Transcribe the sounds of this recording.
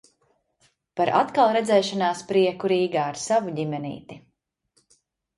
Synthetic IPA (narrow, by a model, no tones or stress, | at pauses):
paɾʔa̰t̪kalˠɾɛd̪zɛːʃanaːspɾiɛkuɾiːɡaːɾsavuɟimɛnḭːt̪i